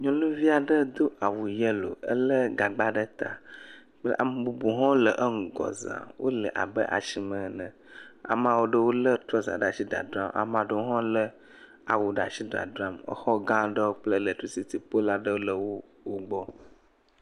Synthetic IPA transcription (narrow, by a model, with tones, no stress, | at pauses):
ɲɔ̃˦nũ˦vi˦a˨ɖə˦d̪o˦ʔa˨wu˨jə˦lo̰˨ə˦lə˦ɡa˨ɡ͡ba˦ɖə˦t̪a̰˨ | k͡pʔa̰˨m˨bu˨bu˨ɦɔ̃˦lə˨ʔə˦ŋ̩˨ɡɔ̰˨zã̰˨wʔo̰˦lə˨ʔa̰˨bə˦ʔa̰˨ʃi˨mə̃˨nə̃˨ | a̰˨mã˨wo˦ɖə˦wo˦lə˦t̪ɾɔ˦za̰˨ɖa˨ʃi˦ɖa̰˨dɾa˦mʔa̰˨mã˨ɖə˦ɦɔ̃˦lə˦ | a̰˨wu˨ɖa̰˨ʃi˦ɖɾa̰˨dɾa˦mə̰˦xɔ˦ɡã˦ɖə˦wo˦k͡plə˦lə˨tɾi˦si˦t̪i˨po˦la˦ɖə˦wo˦lə˦˨wo˦ | wo˦ɡ͡bɔ˦